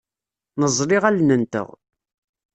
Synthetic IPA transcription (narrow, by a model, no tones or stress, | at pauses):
nəzˤɾɪʁælnənt̪ə̰ʁ